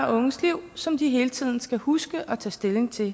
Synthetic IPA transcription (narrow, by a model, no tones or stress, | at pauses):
ʔɔ̽ŋəsliʊ̰sɒ̽md̥iɦe̝ːlət͡sʰið̰ˠn̩sɡ̥æhusɡ̥əʔɒ̽t͡sʰɛ̰ːsd̥e̝le̝ŋt͡sʰe̝l